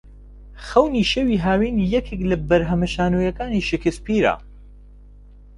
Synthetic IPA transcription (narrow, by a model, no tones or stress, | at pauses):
xɐwniːʃewiɦaːwiːnjɛkʰeklɐbɐɾɦɐmɐʃaːnujɐkaːniːʃɪkɨspiːɾa̰